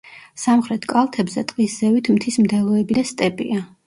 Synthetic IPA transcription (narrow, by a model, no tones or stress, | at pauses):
samχɾɛt̪ʰkʼalˠt̪ʰɛbzɛt̪ʼqʼisz̥ɛvit̪ʰmt̪ʰismd̪ɛlˠɔɛbid̪ast̪ʼɛpʼḭa